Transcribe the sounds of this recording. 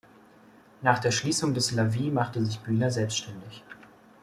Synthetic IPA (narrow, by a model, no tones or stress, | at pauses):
naːχd̥eːɐʃliːsʊŋdɛslaviːmaχtəzɪçb̥yːnɐzɛlpstʃtɛndɪç